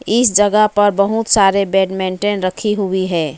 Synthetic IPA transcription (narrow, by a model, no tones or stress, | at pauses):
ɪsd͡ʒəɡəpəɾbəɦut̪saɾebeːɖmẽɳʈenɾəkʰiɦuiɦɛː